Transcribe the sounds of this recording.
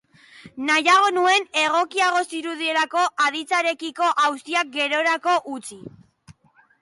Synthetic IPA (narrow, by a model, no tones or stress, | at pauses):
najaɣ̞o̞nue̞ne̞ɣ̞o̞kiaɣ̞o̞siɾuð̞ie̞lako̞ʔað̞it͡saɾe̞kiko̞ʔawst̪iak̚ɡe̞ɾo̞ɾako̞ʔut͡si